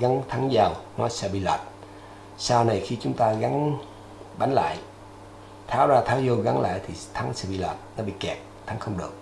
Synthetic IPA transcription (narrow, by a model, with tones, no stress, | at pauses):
ɣa˨˦ŋt̪ʰa˨˦ŋzaː˧˩wnɔ˨˦jsɛ˧ɓi˧˨la̰˨˩t̚ | saː˧wna˨˧˩jxi˧t͡ɕʊ˨˦ŋ͡mt̪aː˧ɣa˨˦n | ɓa˨˦nla̰ː˧˨j | t̪ʰaː˨˥wzaː˧t̪ʰaː˨˦wzo˧ɣa˨˦ŋla̰ː˧˨jt̪ʰi˨˩t̪ʰa˨˦ŋsɛ̰˧˥ɓḭ˧˨la̰˨˩t̚nɔ˨˦ɓḭ˧˨kɛ˨˩p̚t̪ʰa˨˦ŋxə˧wŋ͡mɗɨ˨˩ək̚